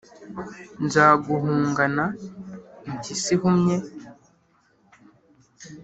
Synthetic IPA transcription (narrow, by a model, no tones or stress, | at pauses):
nzaːɡuɦuːŋɡana | ɲcisihumɲe